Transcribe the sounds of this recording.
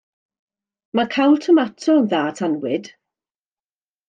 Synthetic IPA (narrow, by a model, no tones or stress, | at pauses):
makʰajlˠtʰəmatʰɔðaːtʰanwɪd̥